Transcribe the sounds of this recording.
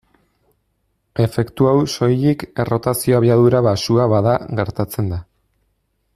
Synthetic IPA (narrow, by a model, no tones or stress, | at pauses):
e̞fe̞kt̪uawso̞jike̞ro̞t̪asio̞aβiaðuɾaβasuaβaðaɣe̞ɾt̪at͡se̞nd̪a